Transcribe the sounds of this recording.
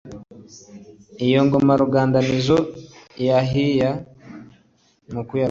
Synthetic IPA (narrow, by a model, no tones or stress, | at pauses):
ijoŋɡomaɾuɡaːndanizojaɦija | mukuja